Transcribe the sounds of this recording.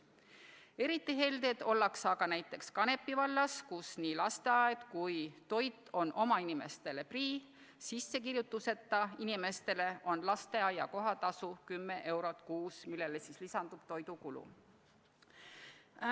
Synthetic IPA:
e̞ɾit̪ːˑiɦe̞ld̪e̞t̪o̞lːɑksɑɡ̥ɑnæjt̪ːˑe̞kskɑne̞pːivɑlːɑskusniːlɑst̪e̞ɑjɑd̪̥kujt̪o̞jt̪ːˑo̞nʔo̞mɑinime̞st̪e̞le̞priː | sisːe̞kiɾjut̪ːˑuse̞t̪ːˑɑinime̞st̪e̞le̞ʔo̞nlɑst̪e̞ɑjɑko̞ɦɑt̪ɑsukymːe̞ʔe̞wɾo̞t̪ˑkuːsmilːe̞lesislisɑnd̪̥ub̥t̪o̞jd̪ukulṵ

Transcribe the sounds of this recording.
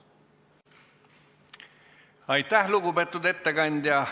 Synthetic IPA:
ɑjt̪ːˑæhluɡupet̪ːˑud̪e̞t̪ːeɡɑnʲd̪jɑ

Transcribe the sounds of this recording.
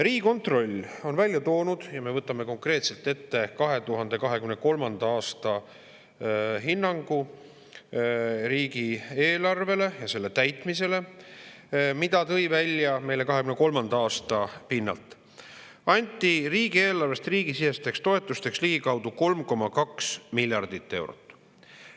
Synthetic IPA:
riːɡiko̞nt̪ro̞lʲːo̞nvælʲjɑt̪o̞ːnud̪̥jɑme̞vɤt̪ːˑɑme̞ko̞ŋkre̞ːt̪se̞lt̪ːˑe̞t̪ːe̞kɑɦe̞t̪uɦɑnd̪̥e̞kɑɦe̞kymneko̞lmɑnd̪̥ɑɑːst̪ɑ | ɦinːɑŋɡ̥u | ɾiːɡieːlɑrve̞le̞jɑse̞lːe̞t̪æjt̪ˑmise̞le̞ | mid̪̥ɑt̪ɤ̞jvælʲjɑme̞jle̞kɑɦe̞kymneko̞lmɑnd̪ɑɑːst̪ɑpinːɑ̰lt̪ˑ | ɑnʲt̪ːˑiriːɡ̥ie̞ːlɑrve̞st̪riːɡisise̞st̪e̞kst̪o̞e̞t̪ːˑust̪e̞ksliɡ̥ikɑwd̪̥uko̞lmko̞mɑkɑksmilʲjɑrd̪̥it̪ˑːe̞wɾo̰t̪ːˑ

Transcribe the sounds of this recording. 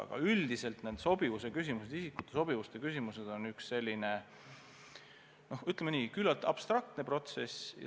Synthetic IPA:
ɑ̰ɡ̥ɑ̰yld̪ise̞lt̪nend̪̥so̞bivuse̞kysʲimuse̞d̪isikːˑut̪ːˑeso̞b̥ivust̪e̞kys̬ʲimuse̞d̪̥o̞nyksːe̞lʲːine̞ | no̞hyt̪ːˑlemeniːkylːɑlt̪ːˑɑ̰b̥st̪rɑk̚t̪ne̞pro̞t̪se̞sj̰

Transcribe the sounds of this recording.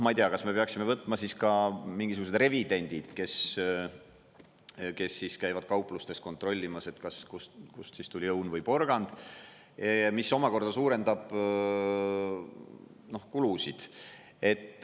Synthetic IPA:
mɑijt̪eɑkɑsme̞pe̞ɑksimevɤt̪ːˑmɑsiskɑmiŋɡis̬uɡ̥us̬d̪̥re̞vid̪̥e̞nʲd̪̥id̪̥ke̞s | ke̞sːiskæjvɑd̪̥̚kɑwpːˑlust̪e̞st̪ko̞nt̪ˑɾo̞lʲːimɑse̞t̪kɑskuskussist̪ulʲiɤwnvɤjpo̞rɡ̥ɑnd̪̥ | miso̞mɑko̞rd̪̥ɑsuːɾe̞nd̪̥ɑb̥ | no̞hkulusid̪̥ | e̞t̪ː

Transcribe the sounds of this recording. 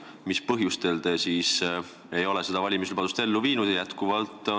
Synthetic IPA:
mispɤɦjust̪e̞ld̪̥esiːs | e̞jo̞le̞se̞d̪̥ɑvɑlʲimis̬lub̥ɑd̪ust̪e̞lːuviːnud̪ejæt̪kuvɑlt̪ˑ

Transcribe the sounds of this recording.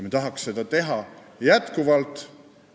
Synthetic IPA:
met̪ɑɦɑksːe̞d̪ɑt̪e̞ɦɑ | jæt̪kuvɑlt̪ˑ

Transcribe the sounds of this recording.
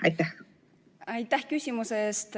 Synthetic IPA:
ʔɑ̰jt̪ːæh | ɑjt̪ːˑæhkysʲimuseeːst̪

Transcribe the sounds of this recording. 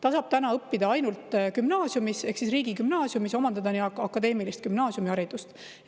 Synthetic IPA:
t̪ɑsɑb̥̚t̪ænɑɤpːid̪̥ɑɑjnult̪ˑkymnɑːsjumise̞hksisriːɡ̥ikymnɑːsjumiso̞mɑnd̪ɑd̪ɑniɑkːɑkːˑɑd̪e̞ːmilist̪̚kymnɑːsjumiɑɾid̪̥ust̪

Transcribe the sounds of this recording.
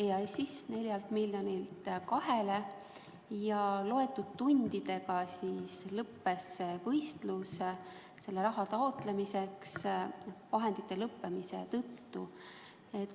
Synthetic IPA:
ejɑjsisne̞lʲjɑlt̪milʲːjonilt̪kɑhe̞le̞ | jɑlo̞e̞t̪ːud̪̥̚t̪unʲd̪id̪̥e̞ɡɑsislɤpːe̞sevɤjst̪lus | se̞lːeɾɑɦɑt̪ɑot̪lemise̞ks | vɑɦe̞nd̪̥it̪ˑːe̞lɤpːemise̞̰t̪ɤt̪ːu | et̪

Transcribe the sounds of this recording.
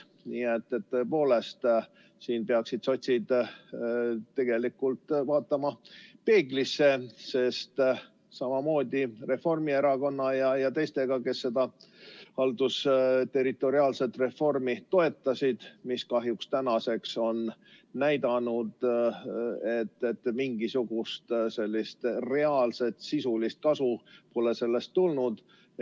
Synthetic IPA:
niːet̪ːe̞t̪ːoe̞po̞ːle̞st̪ | siːnpeɑksid̪so̞t̪ʲsid̪̥ | t̪ːe̞ɡ̥e̞likːult̪vɑːt̪ːˑɑmɑpe̞ːɡlisːe̞se̞st̪ | sɑmɑmo̞ːd̪̥ʲire̞fo̞rmie̞ɾɑko̞nːɑjɑjɑt̪ejst̪e̞ɡ̥ɑke̞sːe̞d̪ɑ | hɑld̪̥ust̪e̞ɾit̪ːˑo̞ɾiɑːlse̞t̪ːre̞fo̞rmit̪o̞e̞t̪ːɑsid̪̥miskɑɦjukst̪ænɑse̞kso̞n | næjd̪ɑnud̪̥ | e̞t̪ːet̪ːmiŋɡ̥isuɡ̥ust̪se̞lʲːist̪re̞ɑːlse̞t̪sisulist̪̚kɑsupo̞le̞se̞lːe̞st̪ːulnud̪̥

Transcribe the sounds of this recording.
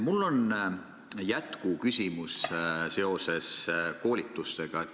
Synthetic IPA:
mulːo̞n | jæt̪kukysʲimusse̞o̞se̞sko̞ːlʲit̪ːˑust̪e̞ɡ̥ɑ

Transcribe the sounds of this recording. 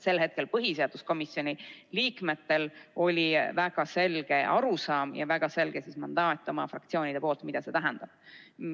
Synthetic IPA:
se̞lɦhe̞t̪̚ke̞lpɤɦiseɑd̪̥usko̞misjo̞nʲiliːkme̞t̪ːˑe̞lo̞lʲivæɡ̥ɑse̞lɡ̥e̞ʔɑɾusɑːmjɑ̰væɡ̥ɑse̞lɡ̥e̞sismɑnd̪̥ɑːt̪ʲːˑo̞mɑfrɑ̰kt̪sio̞ːnʲid̪epo̞ːlt̪mid̪̥ɑse̞t̪æɦɛnd̪̥ɑb̥

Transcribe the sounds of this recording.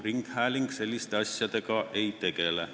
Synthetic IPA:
riŋkhæːliŋkselːist̪ɑsʲjɑt̪ɑkɑːʔʔeit̪ekelæ

